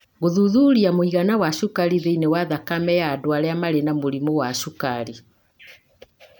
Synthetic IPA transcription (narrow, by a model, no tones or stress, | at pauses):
ɣoðuðuɾiamoiɣanawaʃukaɾiðeinewaðakamɛjaːdoaɾɛamaɾenamoɾimowaʃukaɾi